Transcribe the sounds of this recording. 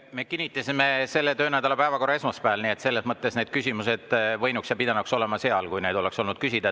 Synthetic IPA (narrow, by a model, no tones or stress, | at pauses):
me̞kinʲːit̪ːˑɑsʲimese̞lːet̪ø̞ːnæd̪̥ɑlɑpæevɑko̞rːɑe̞smɑspæːlnie̞t̪se̞lːe̞smɤt̪ːˑe̞sne̞d̪̚kysʲimuse̞d̪̥vɤ̞jnuksjɑpid̪̥ɑnukso̞le̞mɑse̞ɑlkujne̞ːd̪o̞le̞kso̞lnud̪̚kysid̪ɑ